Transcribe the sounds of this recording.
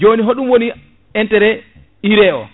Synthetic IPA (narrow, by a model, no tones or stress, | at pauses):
d͡ʒoniɦoɗumwoni | ɛntɛɾɛ | iɾɛʔɔ̰